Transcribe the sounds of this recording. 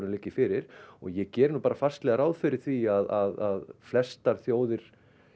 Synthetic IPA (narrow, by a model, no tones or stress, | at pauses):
ɾʏmlɪːcːɪfɪɾɪɾ̥ɔ̰ɣjɛcɛːɾɪnupaːɾafar̥st̪lɛɣaɾaːwðfɪɾɪɾ̥θiaðaðaðflɛst̪aɾ̥θjoːwðɪɾ̥